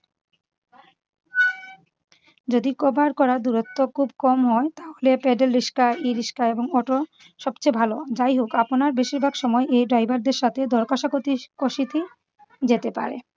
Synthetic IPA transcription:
d͡ʑod̪ikɔbaɾkɔɾaɾd̪uɾot̪ːokʰubkɔmɦɔet̪aɦolepɛɖelɾiʃkaiɾiʃkaeboŋɔʈo | ʃɔbt͡ɕebʱalod͡ʑajɦokaponaɾbeʃiɾbʱaɡʃɔmɔeʔejɖɾajbaɾd̪eɾʃat̪ʰed̪ʱɔɾkaʃaɡot̪ikoʃit̪ʰi | d͡ʑet̪epa̰ɾḛ

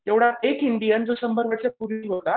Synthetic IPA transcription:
eʋɽ̤aekiɳɖijənd͡zosəmbʱəɾʋəʈt͡sepuɾiʋəd̪a

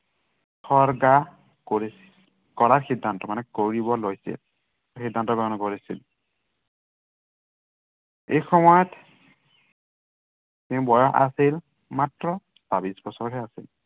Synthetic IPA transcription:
sɔɹɡa | koɹis | kɔɹaɹxidʱːantɔmanɛkoɹibɔlojsḭl | xidʱːantɔɡɔɔnɔkoɹisḭl | ejxɔmɔjɔt | tẽʊ̃bɔjɔa̰sil | matɹɔ | sabisbɔsɔɹɦɛasil

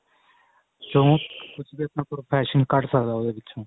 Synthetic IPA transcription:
d͡ʒõkʊt͡ʃʰbiːəpnãːpɾoːpʰɛːʃənkəʈsəkd̪aːoːd̪eːbɪt͡ʃʰõː

